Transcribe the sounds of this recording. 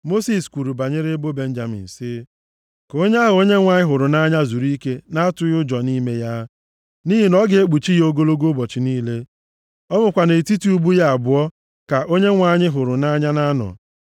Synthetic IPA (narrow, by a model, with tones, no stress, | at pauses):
mo˦si˨skʷu˨ɾu˨ba˨ɲɪ˦ɾe˦bo˦be˦n̩˦d͡ʒa˨mḭ˨n̩˨sɪ˦ | ko˦ɲ˦a˦ɦo˦ɲe˦ŋʷa˨ɲɪ˦ɦʊ˨ɾʊ˨na˦ɲa˦zu˨ɾi˦ke˦na˦a˦tʊ˦jʊ˦d͡ʒɔ˨ni˦me˦ja˦ | ni˦ɦi˨nɔ˦ɡe˨˦e˦k͡pu˨t͡ʃi˦jo˦ɡo˦lo˦ɡo˦bɔ˨t͡ʃi˨niː˦le˦ | ɔ˦mʊ˨kʷa˨ne˨ti˦ti˦u˦bu˦ja˦a˨bʊ˨˦ɔ˦ | ka˨ʔo˦ɲe˦ŋʷa˨ɲɪ˦ɦʊ˨ɾʊ˨na˦ɲa˦na˦nɔ̰˨